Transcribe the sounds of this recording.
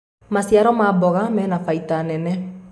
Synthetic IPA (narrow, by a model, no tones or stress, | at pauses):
masjaɾɔmabɔɣamɛːnafaitanɛnɛ